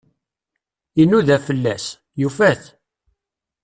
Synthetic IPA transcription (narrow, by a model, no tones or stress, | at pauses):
inuðæfəlːæs | jufæθ